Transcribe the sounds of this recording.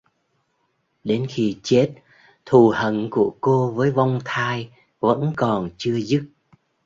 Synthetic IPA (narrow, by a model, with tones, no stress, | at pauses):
ɗe˨˦nxi˧t͡ɕe˦˥t̚ | t̪ʰu˨˩hə˧˩nku˧˩əko˧vəː˨˦jva˧wŋ͡mt̪ʰaː˧j | və̰˧˥nkɔ˨˩nt͡ɕɨ˧əzɨ˦˥t̚